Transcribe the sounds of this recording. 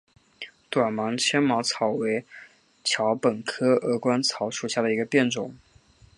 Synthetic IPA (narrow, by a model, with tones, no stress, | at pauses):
t̪wa˨˩nmɑ˧˥ŋt͡ɕʰjɛ˥nmɑ˧˥ʊt͡sʰɑ˨˧˩ʊwe˧˥ɪ | t͡ɕʰjɑ˧˥ʊpə˨˩nkʰɤ˥ɤə˧˥kwa˥nt͡sʰɑ˧˥ʊʂu˨˩ɕja˥˩d̪ə˩i˧˥ɡə˧pjɛ˥˩nʈ͡ʂʊ˨˩˦ŋ